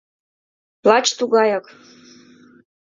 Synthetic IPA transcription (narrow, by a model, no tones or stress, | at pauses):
lˠɑt͡ɕt̪uɡɑjɑk